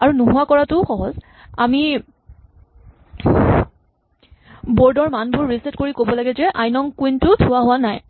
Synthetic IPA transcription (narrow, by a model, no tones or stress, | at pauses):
aɹunuɦʊwakɔɹatʊxɔɦɔz | ami | boɹdɔɹmanbʊɹːisɛtkoɹikobɔlaɡɛzɛʔajnɔŋkuintʊtʰʊwaɦʊwanaj